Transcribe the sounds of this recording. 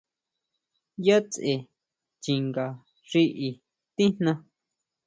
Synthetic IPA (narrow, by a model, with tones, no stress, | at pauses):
ja˦t͡sʔe˨ | t͡ʃi˨ŋɡa˨ | ʐi˧ʔi˧ | t̪ĩ˦n̥nã˧